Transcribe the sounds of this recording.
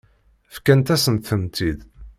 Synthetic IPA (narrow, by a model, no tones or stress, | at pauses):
fkænt̪æsənt̪θəmt̪id̪